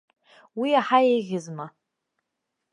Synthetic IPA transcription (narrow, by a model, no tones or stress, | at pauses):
wiaħaejɣʲɪzma